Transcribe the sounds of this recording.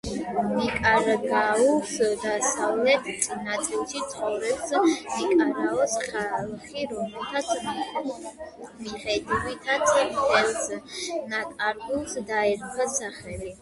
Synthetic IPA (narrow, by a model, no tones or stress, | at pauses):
mikʼaɾɡausd̪asavlɛt̪ʰsʼinat̪sʼilt͡ʃit̪sʰχɔvɾɛbsmikʼaɾaɔsχalˠχiɾɔmɛlˠt̪ʰat̪sʰ | miχɛd̪iɾit̪ʰat̪sʰdɛlsnat̪ʼaɾɡulsd̪aɛɾpʰasaχɛli